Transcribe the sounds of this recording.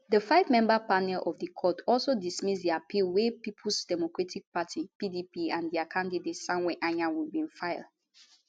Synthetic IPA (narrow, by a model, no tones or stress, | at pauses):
ðəfaɪvmɛ̃mbapanɛlʔɔvdəkʰɔtʰɔlˠsodismisdiapilwepipʰlsd̥ɛmokɹatik̚patʰipidipiãndiakʰãndidetsãmwɛʔãɲãwilbĩnfaɪl